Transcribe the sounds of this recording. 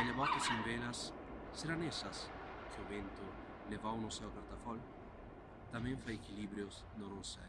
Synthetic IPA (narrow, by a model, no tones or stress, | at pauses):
eleβat̪ʊsẽmbelasː | eɾanesɐs | kʰɪʊβẽnt̪ʊ | levawnʊsɛwpaɾt̪afɔl | t̪amẽɱfajekiliβɾjʊz | noɾusa